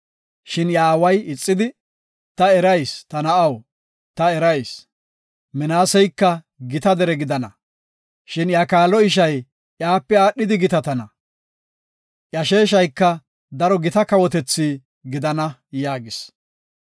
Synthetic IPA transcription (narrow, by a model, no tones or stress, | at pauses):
ʃɪnjaːwɐjɪt͡sʼːɪd̪ɪ | t̪ɐɛɾɐjst̪ɐnɐɐw | t̪ɐɛɾɐjs | mɛnaːsɛjkːɐ | ɡɪt̪ɐd̪ɛɾɛɡɪd̪ɐnɐ | ʃɪnjaːkaːlɔɪʃ̬ɐj | ʔjaːpːɛaːɗːɪd̪ɪɡɪt̪ɐt̪ɐnɐ | ʔjɐʃeːʃ̬ɐjkːɐ | d̪ɐɾɔɡɪt̪ɐkɐwɔt̪̬ɛt͡sːiː | ɡɪd̪ɐnɐjaːɡɪs